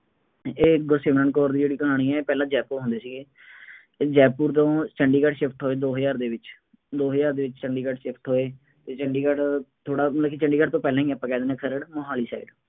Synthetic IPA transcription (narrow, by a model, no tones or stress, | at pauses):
eːɡʊɾseːmɾəːnkɔːɾd̪iːd͡ʒeːɽiːkəɦaːɽ̃iːɛːeːpɛːlãːd͡ʒɛːpuːɾɦʊ̃nd̪eːsiːɡeː | d͡ʒɛːpːuːɾt̪õːt͡ʃəɳɖiːkəʈʃɪpʰʈɦoːeːd̪oːɦjaːɾd̪eːʋɪt͡ʃ | d̪oːɦəjaːɾd̪eːʋɪt͡ʃt͡ʃəɳɖiːkəɖʃɪpʰʈɦoːeː | t̪eːt͡ʃəɳɖiːkəɖt̪ʰoːɽaːmt̪laːkit͡ʃəɳɖiːkəʈt̪õːpɛːlãːɦĩːɛpːãːkɛːd̪ːnɛːkʰəɾəɽməɦaːliːsaːiɖ